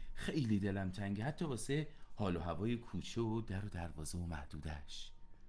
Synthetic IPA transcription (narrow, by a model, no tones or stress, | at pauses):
xe̞jlid̪e̞læmt̪ʰæŋɟehæt̪ʰːɒːbɒːsehɒːloɦævɒːjekʰuːt͡ʃʰeod̪æɾod̪æɾvɒːzeomæhd̪̥uːd̪æʃ